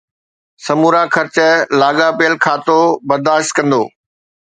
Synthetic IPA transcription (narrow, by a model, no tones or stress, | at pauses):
sɐmuːɾakʰɐɾt͡ɕəlaːɡapejəlkʰaːt̪obɐɾd̪aːʃt̪̚kɐ̃nd̪oː